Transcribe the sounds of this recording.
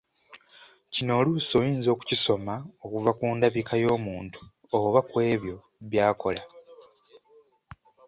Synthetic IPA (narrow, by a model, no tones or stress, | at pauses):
cino̞ːluso̞ːjiːnzo̞ːku̥ciso̞maokuvakuːndaβikʰajo̞ːmuːntu̥ | oβakwe̞ːβjo̞ | βjaːko̞la